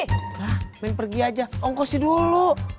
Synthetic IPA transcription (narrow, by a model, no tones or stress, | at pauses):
lahmɛnpərɡiad͡ʒaɔŋkɔsidulu